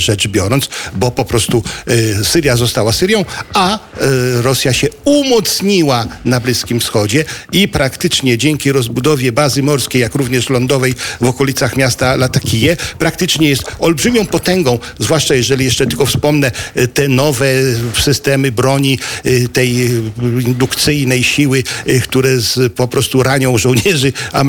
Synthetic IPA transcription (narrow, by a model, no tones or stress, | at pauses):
ʐɛt͡ʂbʲjɔɾɔnt̪sbɔpɔpɾɔst̪usɘɾjazɔst̪awasɘɾʲjɔ̃w̃a | ɾɔsʲjaɕɛumɔt̪sɲiwanablʲiskʲimfsxɔd͡ʑɛipɾakt̪ɘt͡ʂɲɛd͡ʑɛŋkʲiɾɔzbud̪ɔvʲjɛbazɘmɔɾskʲejakɾuvɲɛʂlɔnd̪ɔvɛjvɔkɔlʲit̪saxmʲjast̪alat̪akʲʰijɛpɾak̚t̪ɘt͡ʂɲɛjɛst̪ɔlbʐɘmʲjɔ̃w̃pɔt̪ɛŋɡɔ̃w̃ | zvwaʂt͡ʂajɛʐɛlʲijɛʂt͡ʂɛt̪ɘlkɔfspɔmnɛt̪ɛnɔvɛsɘst̪ɛmɘbɾɔɲit̪ɛjind̪ukt̪sɘjnɛjɕiwɘkt̪uɾɛzpɔpɾɔst̪uɾaɲɔ̃w̃ʐɔ̃w̃ɲɛʐɘa